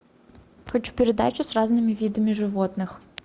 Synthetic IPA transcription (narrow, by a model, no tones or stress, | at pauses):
xɐt͡ɕu̥pʲɪɾʲɪd̪a̰t͡ɕʊsraznɨmʲɪvʲid̪əmʲɪʐɨvot̪nɨx